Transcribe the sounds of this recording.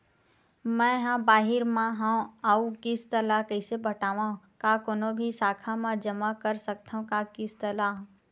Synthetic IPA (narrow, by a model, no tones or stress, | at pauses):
mɛ̃ːɦãːbaːɦɪɾmãɦãaukɪst̪ɐlakəɪsebʱəʈaːʋã | kakoːnobʱisaːkʰamãd͡ʒəmakəɾsək̚t̪ʰaũkakɪst̪ɐlaːɦ